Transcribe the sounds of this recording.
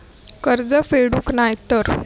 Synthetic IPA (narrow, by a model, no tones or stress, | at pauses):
kəɾd͡zəfeɽũːknajt̪əɾ